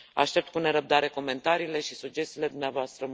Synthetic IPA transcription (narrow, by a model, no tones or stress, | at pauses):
a̰ʃt̪e̞p̚t̪̚kune̞ɾəb̚d̪aɾe̞ko̞me̞nt̪aɾiːle̞ʃisud͡ʒe̞st̪iːle̞d̪umneavoast̪ɾəm